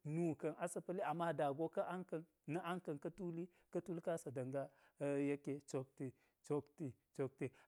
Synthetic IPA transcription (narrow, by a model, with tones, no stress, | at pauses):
nu˨kɐ˨nʔa˦sa˨pə˦li˦a˨mːa˦da˨ɡo˦ka˦ʔa˦ŋka˨n | na˦ʔa˦ŋkɐ˨nka˦tu˦li˦ | ka˦tu˦lka˦sa˨da˨ŋɡa˦ | je˦ke˨t͡ʃo˨k̚ti˨ | t͡ʃo˨kti˨ | t͡ʃo˨k̚ti˨